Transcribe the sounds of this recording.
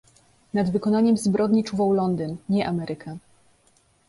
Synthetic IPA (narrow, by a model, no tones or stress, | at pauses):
nad̪vɘkɔnaɲɛmzbɾɔd̪ɲit͡ʂuvawlɔnd̪ɘnɲɛʔamɛɾʔɘkʰɛ